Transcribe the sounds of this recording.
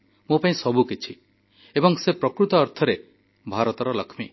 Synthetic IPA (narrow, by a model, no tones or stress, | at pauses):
mũpaĩsɔbʱukit͡ʃʰi | ebɔŋsepɾɔkɾut̪ɔːɾt̪ʰɔɾe | bʱaɾɔt̪ɔɾɔlɔkʰmi